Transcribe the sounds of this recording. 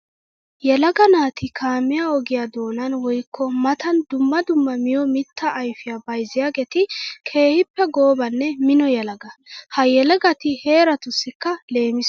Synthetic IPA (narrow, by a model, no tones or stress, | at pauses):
jɛlɐɡɐnaːt̪ʰɪkʰaːmːɪjaɔɡɪjaːd̪o̞ːnɐnwɔjkːɔmɐt̪ɐnd̪ʊmːɐd̪ʊmːɐmɪjɔmɪt̪ːɐʔːjfɪjabɐjzɪjaːɡet̪ɪkʰe̞ːhɪpːɛɡoːbɐnːɛmɪnɔjɛlɐɡɐhɐjɛlɛɡɐt̪ɪhe̞ːɾɐt̪ʊsːɪkːɐle̞ːmɪs